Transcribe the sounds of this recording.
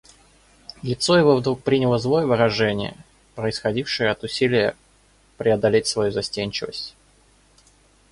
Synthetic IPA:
lʲɪt̪so̞jɪvo̞vd̪ɾuk̚pɾʲinʲɪlˠəzlˠo̞jəvɨɾɐʐɛnʲɪ̰jə̰ | pɾəɪsxɐdʲifʂɨjəɐt̪ʊsʲilʲɪjə | pɾʲɪɐd̪ɐlʲetʲsvɐjuzɐsʲtʲenʲt͡ɕɪvə̰sʲtʲ

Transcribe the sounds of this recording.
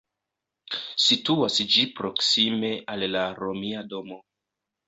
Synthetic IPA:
situasd͡ʒipɾo̞ksime̞ʔalːaɾo̞miado̞mo̞

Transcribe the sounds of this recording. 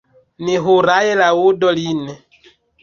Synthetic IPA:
niɦuɾajɛlaudɔlinɛ

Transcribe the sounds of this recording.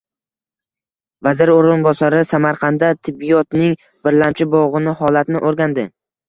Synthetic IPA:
vazɪɾoɾɪnbɒsaɾɪsamaɾqʰɑnd̪at̪ʰɪbːijɒt̪nɪŋ | b̥ɪɾlamt͡ʃʰɪbɒʁɨnɪhɒlat̪nɪʔoɾɡʲand̪ɪ

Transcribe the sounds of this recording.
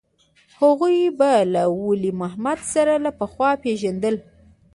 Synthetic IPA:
haɣujbalawʊlimaɦmad̪saɾalapəxwɑpeʒand̪əl

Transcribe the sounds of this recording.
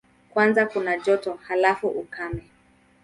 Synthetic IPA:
kwanzakunaʄɔtɔhalafuʔukʰamɛ

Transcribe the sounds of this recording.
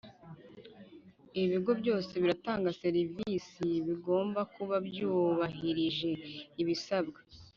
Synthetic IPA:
iβiɡo̞bɟo̞ːse̞βiɾataːŋɡase̞ɾivisiβiɡo̞ːmbakuβabjuːβaɦiɾiʒe̞iβisabɡa

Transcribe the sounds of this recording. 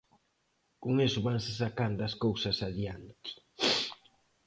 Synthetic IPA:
kuŋesʊβansɪsakand̪ɐskowsɐsaðiant̪i̥

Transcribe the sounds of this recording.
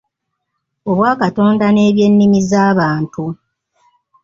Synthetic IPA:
o̞βwaːkato̞ːndane̞ːβje̞nːimizaːβaːntu

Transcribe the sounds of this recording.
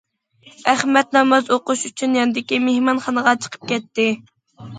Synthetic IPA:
æχmɛt̪nɛmɑzoqʊʃyt͡ʃʰynjɑnɨd̪ɪkʲimehmɑnχɑnəʁɑt͡ʃʰə̥qʰə̥p̚kʲɛt̪ːɪ

